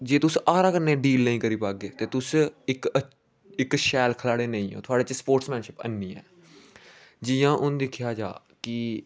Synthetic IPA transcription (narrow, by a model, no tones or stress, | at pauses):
d͡ʒeːt̪ʊsaːɾaːkəɾneːɖiːlnəĩːkəɾiːpaːɡ̚eːt̪eːt̪ʊsɪk | ɪkʃɛːlkʰəlaːɽeːnəĩːo̰ːt̪ʰʊaːɽeːt͡ʃspoːɾʈsmɛ̃ːnʃɪpə̰nːĩːɛ̰ː | d͡ʒiːãːʔʊnːd̪ɪkʰɪjaːd͡ʒa̰ː | kɪ